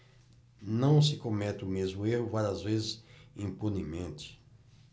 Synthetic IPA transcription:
nɐ̃w̃s̬ɪkõmɛt̪ɪʊmezmʊehʊvaɾɐzvezɪsĩpunimẽnt͡ʃ̪ɪ̥

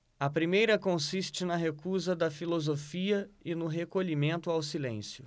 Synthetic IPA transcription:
ɐpɾimejɾɐkõsist͡ʃɪnɐɦekuzɐd̪ɐfilozofiɐɪnʊɦekoʎimẽnt̪ʊawsilḛ̃sjʊ

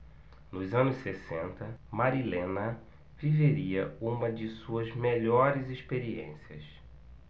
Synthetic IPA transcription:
nʊzɐ̃nʊssesẽnt̪ɐmaɾilẽnɐ | viveɾiɐũmɐd͡ʒɪsuɐzmeʎɔɾɪzispeɾiḛ̃siɐ̰s

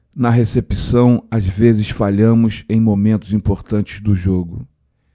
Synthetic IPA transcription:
nɐɦesepisɐ̃w̃azvezɪsfaʎɐ̃mʊsẽj̃momẽnt̪ʊzĩpoɾt̪ɐ̃nt͡ʃɪ̥zd̪ʊʒoɡʊ

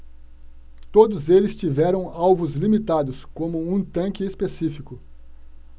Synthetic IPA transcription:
t̪od̪ʊzelɪst͡ʃivɛɾɐ̃w̃awvʊzlimit̪ad̪ʊskõmʊũt̪ɐ̃kɪespesifikʊ

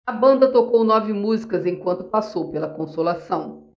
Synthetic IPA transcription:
ɐbɐ̃nd̪ɐt̪okownɔvɪmuzikɐzẽj̃kwɐ̃nt̪ʊpasowpelɐkõsolasɐ̃w̃

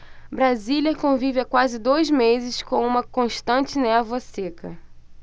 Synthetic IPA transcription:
bɾaziljɐkõvivɪakwazɪd̪ojzmezɪskõũmɐkõʃt̪ɐ̃t͡ʃɪnɛvɐsekɐ̰

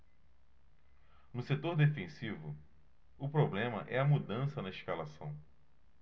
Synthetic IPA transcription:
nʊset̪oɾd̪efẽsivʊ | ʊpɾoblẽmɐ̰ʔɛɐmud̪ɐ̃sɐnɐiʃkalasɐ̃w̃

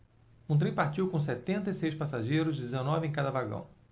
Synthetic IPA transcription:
ũt̪̬ɾẽj̃paɾt͡ʃiwkõs̬ɛt̪ẽnt̪ɐisejspasaʒejɾʊzd͡ʒɪzenɔvɪẽj̃kad̪ɐvaɡɐ̰̃w̃

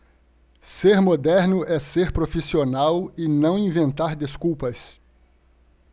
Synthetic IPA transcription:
seɾmod̪ɛɾnʊʔɛseɾpɾofisionawɪnɐ̃w̃ĩvẽnt̪aɾd̪eskuwpɐs

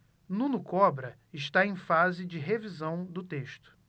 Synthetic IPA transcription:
nũnʊkɔbɾɐ | ɪʃt̪aẽj̃fazɪd͡ʒɪɦevizɐ̃w̃d̪ʊt̪eʃt̪ʊ̥

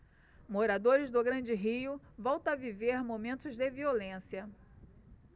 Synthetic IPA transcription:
moɾad̪oɾɪzd̪ʊɡɾɐ̃d͡ʒɪɦiʊvɔwt̪ɐ̃aviveɾmomẽnt̪ʊzd̪ɪviolẽsiɐ

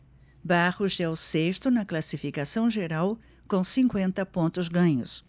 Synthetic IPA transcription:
baʁʊzɛwseʃt̪ʊnɐklasifikasɐ̃w̃ʒeɾaw | kõsĩŋkwẽnt̪ɐpõnt̪ʊzɡɐ̃ɲʊ̰s

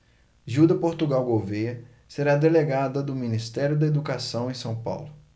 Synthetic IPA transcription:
ʒud̪ɐpoɾt̪uɡawɡovejɐ | seɾad̪eleɡad̪ɐd̪ʊminist̪ɛɾjʊd̪ɐed̪ukasɐ̃w̃ẽj̃sɐ̃w̃pa̰wlʊ

